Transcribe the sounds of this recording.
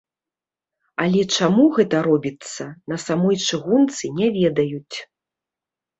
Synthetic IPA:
ɐlʲɛt͡ʂamuɣɛt̪ɐɾɔbʲit̪sːɐnɐsamɔjt͡ʂɨɣunt̪sɨnʲɛvʲɛd̪ɐjut͡sʲ

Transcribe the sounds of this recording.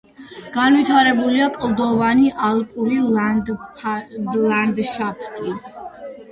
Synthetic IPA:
ɡ̥anvit̪ʰaɾɛbuliakʼlˠd̪ɔvaniʔalˠpʼuɾi | dland̪ʃapʰt̪ʼi

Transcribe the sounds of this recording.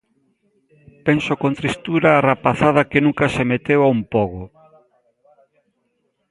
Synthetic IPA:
pensokont̪ɾist̪uɾaːrapaθað̞ɐkenũŋkɐsemet̪ewaumpɔɣo

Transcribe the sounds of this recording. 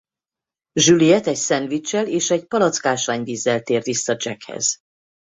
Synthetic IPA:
ʒylijɛt̪ɛcsɛnvit͡ʃːɛleːʃɛɟpɒlɒt̪skaːʃaːɲviːzːɛlt̪eːrd̪isːɒd͡ʒɛkhɛ̰z̥

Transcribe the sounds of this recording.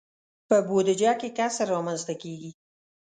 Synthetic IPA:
pəbod̪ɪd͡ʒɑkekasaɾɑmanzt̪akeɡi

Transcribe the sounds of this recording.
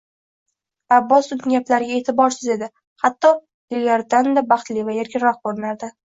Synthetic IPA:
abːɒsʊnɪŋɡʲaplaɾɪɡʲae̞t̪ʰɪbɒɾsɪze̞d̪ɪ | hat̪ːɒ | d̪ɪlʲaɾd̪and̪abɑχt̪livajeɾɡʲɪɾɒχboɾɪnaɾd̪ɪ

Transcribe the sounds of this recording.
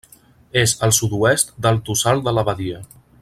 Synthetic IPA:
ezəlˠsud̪uɛst̪d̪əlˠt̪usalˠd̪ələβəðiə

